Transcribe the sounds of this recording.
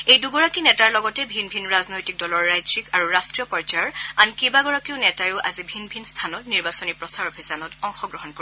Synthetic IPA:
ejduɡɔɹakinɛtaɹlɔɡɔtɛbʱinbʱinɹaznojtik̚dɔlɔɹːajzikaɹuɹastɹijɔpɔɹd͡ʒaɔɹankibaɡɔɹakiʊnɛtajʊʔa̰zibʱinbʱinst̪ʰanɔtniɹbasɔnipɹɔsaɹɔbʱisanɔtɔŋxɔɡɹɔɦɔnkoɹ

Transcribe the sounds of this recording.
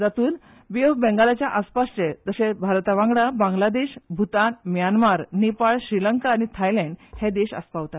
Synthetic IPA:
d͡zat̪uːl | ʋijoɡ̚bɛ̃ŋɡalat͡ɕjaʔaspaʂʈed͡z̪əɕebʱaɾt̪aʋãŋɡɽabãŋɡlad̪eɕbʱut̪anmjanmaɾnepaɭɕɾiləŋkaːñit̪ʰajlɛ̃ɳɖhɛd̪eɕa̰spaʋt̪at̪

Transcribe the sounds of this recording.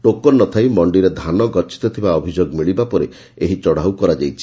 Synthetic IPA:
ʈokɔnːɔt̪ʰajmɔɳɖiɾed̪ʱanɔɡɔɾt͡ʃi̥t̪ɔt̪ʰibaɔbʱid͡ʒoɡmiɭibapɔɾe | eɦit͡ʃɔɽaukɔɾad͡ʒajt͡ʃʰi̥

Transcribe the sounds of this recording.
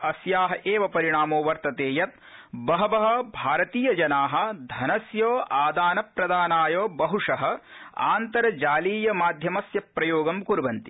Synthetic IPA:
ɐsjaːɦɐʔeːʋɐpɐɾiɳaːmoːʋɐɾt̪ɐt̪eːjɐt̪̚ | bɐɦɐbɐɦɐ̆bʱaːɾɐt̪iːjɐd͡ʒɐnaːɦɐ̆d̪ʱɐnɐsjoːʔaːd̪aːnɐpɾɐd̪aːnaːjoːbɐɦuʂɐɦɐ̆a̰ːnt̪ɐɾɐd͡ʒaːliːjɐmaːd̪ʱjɐmɐsjɐpːɾɐjoːɡɐmkuɾbɐnt̪i

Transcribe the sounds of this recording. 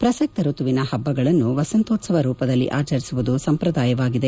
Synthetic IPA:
pɾɐsɐk̚t̪ɐɾut̪uʋinɐhɐbːɐɡɐɭɐnːuʋɐsɐnt̪oːsɐʋɐɾuːpɐd̪ɐlːḭʔaːt͡ʃɐɾisuʋud̪usɐmpɾɐd̪aːjɐʋaːɡid̪e̞

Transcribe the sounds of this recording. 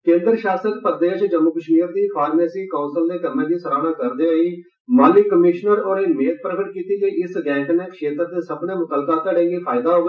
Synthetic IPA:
kẽːnd̪əɾʃaːsəkpəɾd̪eːʃd͡ʒəmːukəʃmiːɾd̪iːpʰaːɾmeːsiːkõːnsəld̪eːkəɾmẽːd̪iːsəɾaːɽ̃ãːkəɾd̪eːaːiː | maːlɪkːəmɪʃnəɾoːɽeːmeːt̪̚pɾəkəʈkiːt̪iːd͡ʒeːʔɪsɡɛ̃ːŋkneːkəʃeːt̪ɾd̪eːsəbnẽːmʊk̪əlkaːt̪ɛːɽẽːŋɡiːpʰaːɪd̪aːɦoːɡ

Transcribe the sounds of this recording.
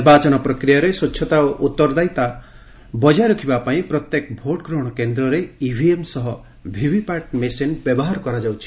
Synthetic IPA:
niɾbat͡ʃɔñɔpɾɔkɾijaɾeswott͡ʃːʃʰɔt̪aoʔut̪ːɔɾd̪ajt̪a | bɔd͡ʒajɾɔkʰibapaĩpɾɔt̪jekbʱoʈɡɾoɽ̃ɔkend̪ɾɔɾeibʱiemsɔɦɔ | bʱibʱipaʈ̚mesenbjɔbɔɦaɾɔkɔɾad͡ʒawt͡ʃʰi̥

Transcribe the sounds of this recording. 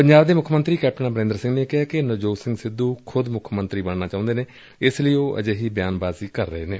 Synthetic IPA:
pəɲd͡ʒaːbd̪eːmʊkʰmənt̪ɾiːkɛːp̚ʈənaːbəɾẽnd̪ɾsɪ̃ŋɡneːkɪɦaːkɪnəd͡ʒoːsɪ̃ŋɡsɪd̪uːkʰʊd̪mʊkʰmənt̪ɾiːbəɳnaːt͡ʃaːʊ̃nd̪eːneː | ɪsləiːoːʔə̰d͡ʒeɦiːbjaːnbaːziːkəɾːəɦeːneː

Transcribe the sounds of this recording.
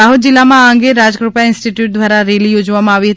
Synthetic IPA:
aːɦʊt̪̚d͡ʒɪlːamããŋɡeɾaːd͡ʒkɾupaɪ̃nsʈiʈjuːʈ̚d̪ʋaːɾaɾeːlijoːd͡ʒʋamãaːʋiɦɐt̪

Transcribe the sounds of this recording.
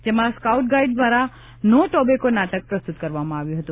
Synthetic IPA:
d͡ʒemãskauʈ̚ɡaiɖ̚d̪ʋaɾa | noʈobekonaʈək̚pɾəst̪ut̪kəɾʋamãaʋjũɦət̪ũ

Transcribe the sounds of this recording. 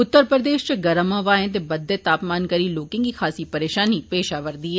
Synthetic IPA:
ʊt̪ːəɾpɾəd̪eːʃt͡ʃeɡɐɾəmãːʋaːẽt̪̬ebɐd̪ːeːt̪aːpmaːnkəɾiːloːkɪ̃ŋɡixʰaːsiːpəɾeːʃaːnipeːʃaːʋəɾd̪iːɛː

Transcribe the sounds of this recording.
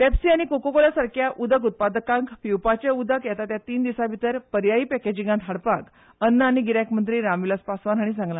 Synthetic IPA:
pɛpsiːaɽ̃ikokokolasaɾkjaʔʔud̪ʱək̬ut̪̚pad̪əkãŋkpiwpat͡ɕeud̪ʱəkjat̪at̪jat̪iːnd̪isabʱit̪əɾpəɾjaipɛked͡ʑĩŋɡant̪ɦaɽpak | ənːəaɽñiɡiɾakmənt̪ɾiːɾamʋiləspasʋanɦaɽ̃isãŋɡlã

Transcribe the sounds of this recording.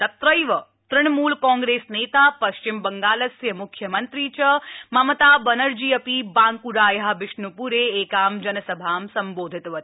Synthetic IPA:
t̪ɐt̪ɾəjʋə | t̪ɾɪɳ̃muːlkɔ̃ːŋɡɾesneːt̪apɐʃt͡ʃɪmbəŋɡaːləsjəmʊkʰjəmənt̪ɾit͡ʃəmɐmət̪abənəɾd͡ʒiəpibãːŋkuɾaːjɦaʋɪʃɳupuɾeːkaːmd͡ʒənəsəbʱaːmsəmboːd̪ʱɪt̪ɦət̪i

